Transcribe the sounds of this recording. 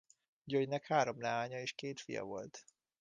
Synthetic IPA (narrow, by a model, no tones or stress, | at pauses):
ɟøjnɛkhaːɾo̞mlɛaːɲɒeːʃkeːt̪fijɒ̰vo̞̰lt̪